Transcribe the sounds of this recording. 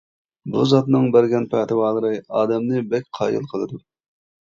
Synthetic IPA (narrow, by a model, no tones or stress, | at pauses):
buzɑt̪nɨŋbæɾɡʲɛnpʰæt̪ɨwɑːlˠəɾɨɑːd̪ɛmnɨbɛkʲqʰɑ̰ːjɨ̰lˠqʰəlˠɨd̪u